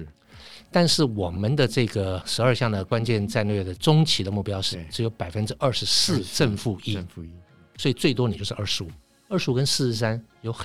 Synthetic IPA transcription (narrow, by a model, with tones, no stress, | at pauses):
t̪a˥˧nʂɻ̩˥˩wɔ˨˩mə˦nd̪ə˨ʈ͡ʂɤ˥˩ɡə˩ʂɻ̩˧˥ə˞˥˧ɕjɑ˥˩ŋd̪ə˩kwa˥nt͡ɕjɛ˥˧nʈ͡ʂa˥˧nlɥjɛ˥˩d̪ə˩ʈ͡ʂʊ˥ŋt͡ɕʰi˧˥d̪ə˧mu˥˩pjɑ˥ʊʂɻ̩˥˩ʈ͡ʂɻ̩˧˥jo˧˥ʊpa˨˩ɪfə˥nʈ͡ʂɻ̩˥ʔə˥˩ʂɻ̩˧˥sɹ̩˥˧ʈ͡ʂə˥˧nfu˥˧i˥˧ | swɔ˧˥i˨˩t͡swe˥˩ɪt̪wɔ˥ni˨˩jo˥˧ʊʂ̩˥˧ʔɐ˞˥˩ʂɻ̩˧˥u˨˩ | ə˞˥˩ʂɻ̩˧˥u˨˩kə˦nʂɻ̩˥˧˥ʂa˥njo˧˥ʊx